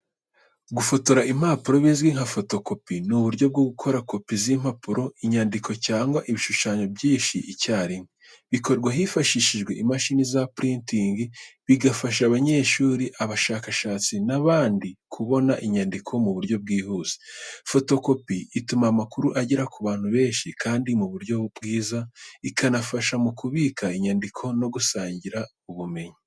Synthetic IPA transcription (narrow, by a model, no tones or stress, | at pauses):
ɡufo̞to̞ɾaim̥haːpuɾo̞βizɡwiŋ̥hafo̞to̞ko̞pinuβuɾɟo̞b̚ɡoɡukʰo̞ɾako̞pizim̥hapuɾo̞iɲandikʰo̞caːŋɡwaʔiβiʃuʃaːɲo̞bjiːʃiʔicaːɾimwe | βiko̞ɾɡwaɦifaʃiʃiʒɡwe̞̰ʔimaʃinizapɾintiŋɡiβiɡafaʃ̬aβaɲe̞ːʃuːɾiʔaβaʃaːkaʃaːt͡sinaβaːndikʰuβo̞naʔiɲandikʰo̞muβuɾjo̞b̚ɡiːhuːz̥e̥fo̞to̞ko̞piːtumamakuɾuʔaɟiɾakuβaːn̥huβe̞ːɲʃikʰaːndimuβuɾjo̞bɡiːzaikanafaʃamukuβiːkʰaiɲandikʰo̞no̞ɡusaːɲɟiɾa | uβume̞ɲi